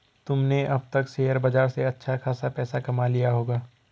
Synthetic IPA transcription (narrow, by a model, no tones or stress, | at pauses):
t̪ʊmneʔɐb̚t̪ɐkseːjəɾbɐd͡ʒaːɾseɐtːʃʰaxaːsapɛːsakɐmalijaɦoːɡaː